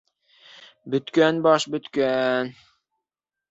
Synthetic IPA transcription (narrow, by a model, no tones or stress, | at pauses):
bɵ̆t̪kænbɑʃbɵ̆t̪kæn